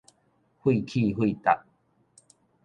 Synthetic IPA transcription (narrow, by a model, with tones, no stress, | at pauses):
hu˧i˨kʰi˦˧ɦu˧i˨t̪a˨ʔ̚